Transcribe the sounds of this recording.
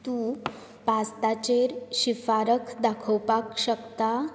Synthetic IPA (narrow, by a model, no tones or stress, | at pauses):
t̪uː | past̪at͡ɕeɾɕifaɾəkʰd̪akʰəwpakɕəkt̪a